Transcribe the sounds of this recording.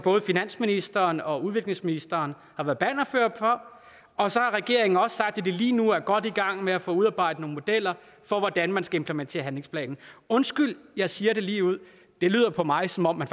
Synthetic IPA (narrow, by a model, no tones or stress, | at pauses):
b̥ɔ̽ːð̞̩ˠfinæn̰sminisd̥ɐːnɒ̽uð̞ˠʋe̝ɡ̥le̝ŋsminisd̥ɐːn | hɑ̈ʋæːɐð̩ˠb̥ɛnɐføɐ̰̥pʰɒ̽ | ɒ̽sɒ̽hɑ̈ʁɛɡ̥e̝ɐ̰e̝ŋn̩ɒ̽ssɑ̈ɡ̥d̥ed̥e̝liːnuæɐɡ̥ɒ̽d̥iɡ̥ɑ̈ŋ̰meæfɔ̰uð̞ˠɑ̈ːb̥ɑ̈ɪ̰d̥ənoːn̩mo̝d̥el̰ɐ | fɒ̽ʋɒd̥ænmænsɡ̥æempʰlement͡sʰe̝̰ːɐɦænle̝ŋspʰlɛ̰ːnn̩ɔ̽nsɡ̥yl̰jɑ̈ɪsiːɐɾe̝liːuð̰ˠ | d̥e̝ly̰ːð̰ˠɐpʰɒ̽mɑ̈ɪsɒ̽mɒ̽m̰ːæn